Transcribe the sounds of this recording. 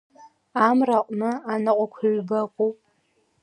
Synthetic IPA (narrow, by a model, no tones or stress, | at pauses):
amraqʷʼnɨanɨqʷʼakʷʰɥʷbakʷʼupʼ